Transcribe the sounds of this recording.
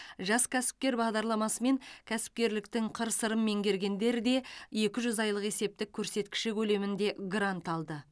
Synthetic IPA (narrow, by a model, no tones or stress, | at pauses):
ʒɑskʲʰæsɪ̥p̚kʲe̞ɾbɑʁd̪ɑɾlˠɑmɑsəme̞ŋkʲʰæsɪ̥p̚kʲe̞ɾlɪkt̪ɪŋqʰəɾsəɾəmːe̞ŋɡʲe̞ɾɡʲe̞nd̪e̞ɾɪd̪e̞je̞kʲɪʒʏzɑjlˠəqe̞se̞p̚t̪ɪkʲʰːɵɾse̞t̪kʲɪ̥ʃɪkʲʰɵle̞mɪnd̪e̞ɡɾant̪ɑlˠd̪ə